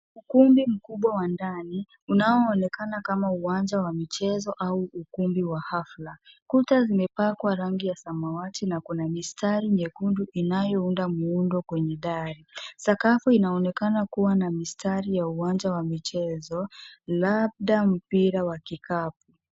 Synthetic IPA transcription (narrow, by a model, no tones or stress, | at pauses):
ukumbim̩kuɓwawandani | unaɔːnɛkanakamauwaɲd͡ʒawamit͡ʃɛzɔʔauukumbiwahaflakutazimɛpakwaɾaŋɡijasamawatinakunamistaɾiɲɛkunduʔinajɔundamuundɔkwɛɲɛɗaɾisakafuinaɔnɛkanakuwanamistaɾijauwand͡ʒawamit͡ʃɛzɔlab̚ɗam̩piɾawakikʰap̚u